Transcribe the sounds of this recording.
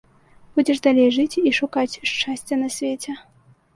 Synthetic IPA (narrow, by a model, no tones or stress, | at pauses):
b̥ud͡zʲɛʐd̪alʲejʐɨt͡sʲiʂukat͡sʲʂt͡ʂasʲt͡sʲɐnɐsʲvʲet͡sʲɛ